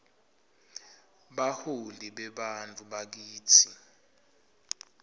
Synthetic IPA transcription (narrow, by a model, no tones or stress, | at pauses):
ɓaholdiɓɛɓant͡fʼuɓak̬iːtʰi